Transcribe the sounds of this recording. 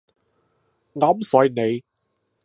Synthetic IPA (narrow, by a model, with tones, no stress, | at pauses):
ŋaː˨˥m̩˦sɔː˨˥jne˨˧j